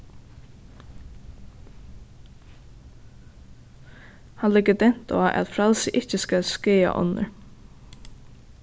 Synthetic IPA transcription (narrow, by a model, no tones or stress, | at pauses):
hanlɪɡəd̪ɛn̥t̪ɔːʔɛ̰t̪fɾalsɪʔɪht͡ʃəskalskeːa̰ʔɔ̰nːə̰ɹ